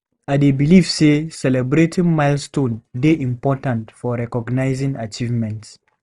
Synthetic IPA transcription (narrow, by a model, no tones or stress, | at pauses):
adebilivsesɛlɛbɾetĩŋmaɪlstõndeʔĩmpɔtãntfɔɹɛkɔɡnaɪzĩŋat͡ʃivmɛ̃nts